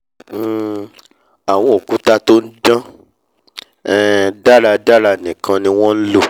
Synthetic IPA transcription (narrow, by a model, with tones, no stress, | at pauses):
a˨w̃ɔ̃˧o˨ku˨˦ta˦to˦n̩˦d͡ʒã˦ | ɛ˦˨da˦la˧da˦la˧˨nĩ˨kã˧nĩ˧w̃ɔ̃˦n̩˦lo˦˨